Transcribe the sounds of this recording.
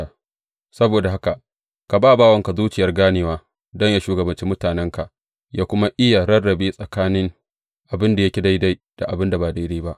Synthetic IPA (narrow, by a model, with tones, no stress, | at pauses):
sɐ˦boː˨da˨ɦa˦ka˨ | ka˨baː˦˨baː˦wɐ˦ŋka˨zuː˦t͡ʃɪ˨jɐ˦rɡaː˦neː˨waː˦ | dɔ˦ɲjaː˦ʃuː˦ɡɐ˨bɐ˨nt͡ʃi˦mʊ˦taː˨nɛ˦ŋka˨ʔ | jaː˦kʷʊ˦ma˦ʔɪ˦ja˨ɾɐ˦rːɐ˨beː˦sʼɐ˨kaː˦nɪ˦ŋ | ʔa˨bɪ˦nda˨jɐ˦kʲi˨da˦jda˦jd̥a˨ʔa˨bɪ˦nda˨baː˨da˦jdeː˦ba˦ʔ